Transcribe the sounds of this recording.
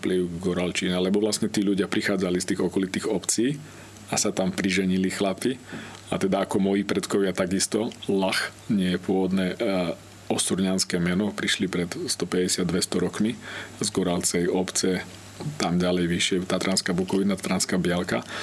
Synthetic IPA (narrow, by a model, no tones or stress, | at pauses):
pliʊɡɡɔɾalt͡ʃiːnalɛbɔʋlastɲɛt̪iːʎuɟɪapɾixaːd͡zalist̪iːɣɔkɔlit̪iːɣɔpt͡siː | asat̪ampɾiʒɛɲilixlapia̰t̪ɛd̪aakɔmɔjiːpɾɛt̪kɔʋɪat̪aɡist̪ɔlax | ɲɪɛjɛpʊɔʋɔd̪nɛː | ɔsuɾɲanskɛːmɛnɔpɾiʃlipɾɛt̪st̪ɔpɛɟɛsɪad̪ʋɛst̪ɔɾɔkmizɡɔɾalt͡sɛjɔpt͡sɛ | t̪amɟalɛjʋiʃɪɛt̪aːt̪ɾʔanskabukɔʋinat̪t̪ɾanskabɪalka